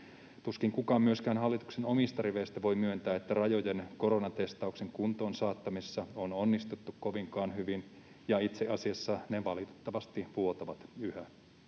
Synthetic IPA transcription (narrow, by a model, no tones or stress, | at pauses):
t̪uskiŋkukɑːmyøskæːnɦɑlːit̪u̥kseno̞mist̪ɑriʋejst̪æʋo̞jmyønt̪æːet̪ːærɑjo̞jenko̞ɾo̞nɑt̪e̞st̪ɑukse̞ŋkunt̪o̞ːnsɑːt̪ːɑmisːɑononːist̪ut̪ːukko̞ʋiŋkɑːnɦyʋin | jɑit̪seʔɑsiɑsːɑneʋɑlit̪e̥t̪ːɑʋɑst̪iʋuot̪ɑʋɑt̪yhæ